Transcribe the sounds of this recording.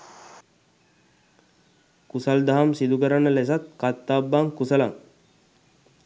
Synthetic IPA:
kusald̪aɦamsid̪ukəɾanːəles̬at̪̚kat̪ːabːaŋkusəla̰ŋ

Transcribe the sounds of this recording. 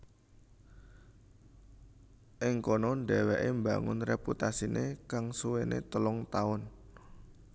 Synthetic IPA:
ʔɪŋkɔnɔɳɖɛwɛʔembaŋʊnreput̪asinekaŋsuwenḛt̪əlɔŋt̪aʊn

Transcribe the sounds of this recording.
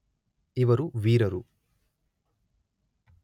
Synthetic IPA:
iʋɐɾuʋiːɾɐɾu

